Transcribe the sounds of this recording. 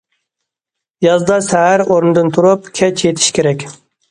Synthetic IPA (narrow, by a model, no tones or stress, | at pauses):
jɑzd̪ɑsæɦæɾoɾnɨd̪ɨnt̪ʰuɾupkʲʰɛt͡ʃʰet̪ʰɪ̥ʃkʲʰeɾɛkʲ